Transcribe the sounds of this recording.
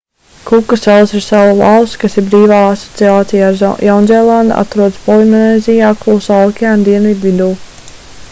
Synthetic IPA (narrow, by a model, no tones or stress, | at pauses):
kukːasɛlˠsiɾsawula̰lˠskasiɾbɾiːvaːasɔ̥t̪siaːt̪sijaːɾjawnzʲɛlˠand̪a̰t̪ɾuɔd̪spɔlˠind̪nɛːzʲijaːklˠuːsalˠkʲiand̪iɛnvʲid̪ʋid̪uː